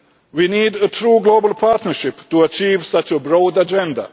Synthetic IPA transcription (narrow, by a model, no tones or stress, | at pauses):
wiːniːdətʰɾuːɡloːbəl̩ˠpʰaɾt̪nəɾʃɪptuat͡ʃiːʋsat͡ʃəbɾoʊd̪ad͡ʒɛ̃nda̰